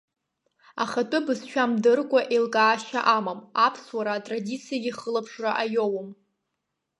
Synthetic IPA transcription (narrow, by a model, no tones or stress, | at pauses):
aχatʼʊbɨzʃᶣamdɨrkʷʼaʔelkʼaːʃa̰ʔamamapʰswaɾaːtʼradit͡sʰijaɡʲiχəlapʰʂraʔajowm